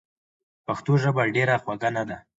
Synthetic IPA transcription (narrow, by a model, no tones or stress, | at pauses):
paxt̪oʒəbaɖeɾaxwaɡanad̪a